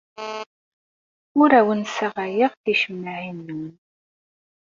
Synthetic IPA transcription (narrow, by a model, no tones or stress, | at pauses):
ʊɾæwənsaʁajiʁθiʃəmːʕinːun